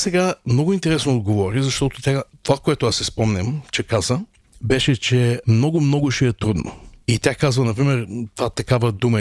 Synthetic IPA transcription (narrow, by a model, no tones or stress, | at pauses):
sɛɡamnɔɡʊint̪ɛɾɛsnoːd̪̚ɡovɔɾizɐʃt̪ɔt̪ʊt̪ʲat̪ovakoɛt̪ʊasɛspɔmnʲɐmt͡ʃɛkazə | bɛʃɛt͡ʃɛmnɔɡʊmnɔɡʊʃɛɛt̪ɾud̪nʔo̰it̪ʲjakazvənɐpɾimɛɾt̪ovat̪ɐkavəd̪umə